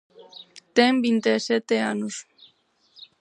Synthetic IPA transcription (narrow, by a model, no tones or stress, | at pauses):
t̪embint̪eset̪eanus